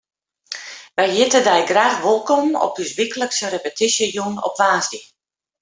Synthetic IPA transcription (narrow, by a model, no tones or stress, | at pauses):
ʋɛjjɪtədɛjɡraːtʋolˠkɔmɔ̰p̚dysʋikələksərepətisjəjunɔ̰pʋaːzdi